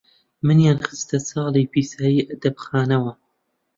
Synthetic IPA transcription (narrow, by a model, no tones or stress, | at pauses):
mɨnjɑːnxɨst̪ɐsɑːlˠipiːsaːjiːʔɐd̪ɐbxaːnɐwɐ